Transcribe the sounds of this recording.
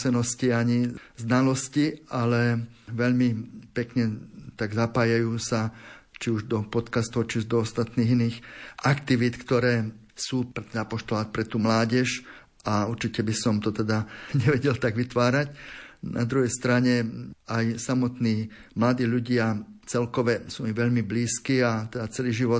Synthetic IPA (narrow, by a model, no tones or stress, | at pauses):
sɛnɔsciaɲiznalɔscialɛʋɛʎmipɛkɲɛt̪aɡzapaːjajuːsat͡ʃiuʒd̪ɔpɔt̪kast̪ɔʊt͡ʃiuʒd̪ɔɔst̪at̪niːɣiniːxʔakt̪iʋit̪kt̪ɔɾɛː | suːpɾɛt̪ɛnapɔʃt̪ɔlaːt̪̚pɾɛt̪uːmlaːɟɛʃ | ʔauɾt͡ʃicɛbisɔmt̪ɔt̪ɛd̪aɲɛʋɛɟɛlt̪aɡʋit̪ʋaːɾacnʔa̰d̪ɾuɦɛjst̪ɾaɲɛajsamɔt̪niː | mlad̪iːʎuɟɪat͡sɛlkɔʋɛsuːmiʋɛʎmibliːskiːat̪ɛd̪at͡sɛliːʒiʋɔ